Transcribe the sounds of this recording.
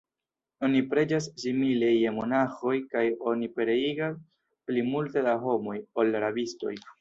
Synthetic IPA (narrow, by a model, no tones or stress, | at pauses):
o̞nipɾe̞d͡ʒas̬simileje̞mo̞naxo̞jkajo̞nipe̞ɾe̞iɡas | plimulte̞daɦo̞mo̞jo̞lɾabisto̞̰j